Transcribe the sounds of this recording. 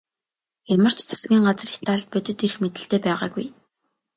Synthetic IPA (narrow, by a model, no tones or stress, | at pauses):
jamə̆r̥t͡ɕt͡sʰḁsɡʲiːŋɢat͡s̆rixt̪ʰaɮt̪̚pœt̪ɵ̆t̪irxmet̪ɘ̆ɬt̪eːpæːʁa̰ːɡṵj